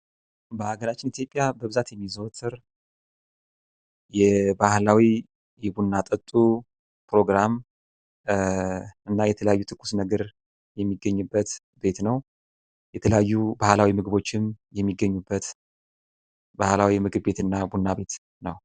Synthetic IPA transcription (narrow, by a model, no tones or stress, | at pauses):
bəaɡəɾat͡ʃːɪnit̪ʰjo̞pʼjabəβɨzat̪jɛmːizəwt̪ʰɨɾ | jɛbahlawi | jɛbunːat̪ʼət̪ʼːu | pɾo̞ɡɾam | ɨnːajɛt̪ʰələjajːut̪ʰɨkʰːu̥snəɡəɾ | jɛmːiɡːəɲːubːət̪ | be̞t̪nəw | jɛt̪ʰələjajːubahlawimɨɡɨβo̞t͡ʃːɪmjɛmːiɡːəɲːubːət̪ | bahlawimɨɡɨβbe̞t̪ɨnːabunːabe̞t̪ | nəw